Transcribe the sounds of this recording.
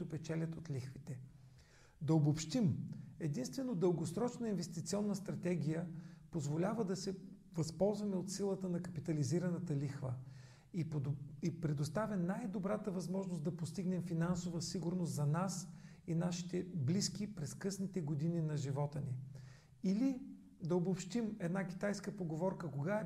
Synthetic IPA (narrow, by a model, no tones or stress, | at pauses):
ʊpɛt͡ʃɛlʲət̪ot̪lʲixvit̪ɛ | d̪ɐobopʃt̪imɛd̪inst̪vɛnod̪əlˠɡosɾɔt͡ʃnəinvɛst̪it̪siɔnːəst̪ɾɐt̪ɛɡʲijəpozvolʲavəd̪ɐsɛ | vɐspɔlˠzvɐmɛot̪silˠət̪ənɐkɐpit̪ɐliziɾɐnɐt̪əlixvə | ipɾɛd̪ost̪avjɐnajd̪obɾat̪əvɐzmɔʒnosd̪ɐpost̪iɡnɛmfinansovəsiɡʊɾnost̪zɐnasinaʃi̥t̪ɛbliskipɾɛskɤsnit̪ɛɡod̪ininɐʒivɔt̪əni | ili | d̪ɐobopʃt̪imɛd̪nak̟ʲi̥t̪ajskəpoɡovɔɾkəkoɡaɛ